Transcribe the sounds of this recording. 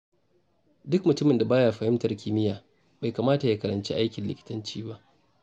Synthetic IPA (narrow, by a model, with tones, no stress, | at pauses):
dʊ˦kmʊ˨tʊ˦mɪ˨nda˨baː˦jaː˨ɸɐ˨hɪ˦mtɐ˨rkʲʰɪ˦mɪ˦jaː˨ | ba˨jkaː˨maː˦ta˨jaː˦kɐ˨ɾɐ˨nt͡ʃḭ˦ʔa˦jkʲɪ˨nlɪ˨kʲɪ̥˦tɐ˦nt͡ʃiː˦ba˦ʔ